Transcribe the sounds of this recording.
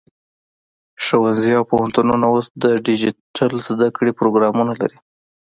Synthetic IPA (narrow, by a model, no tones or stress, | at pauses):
ʃawanziawpohant̪ununaosd̪əɖid͡ʒiʈʰalzd̪akɽepɾoɡɾɑmunala̰ɾi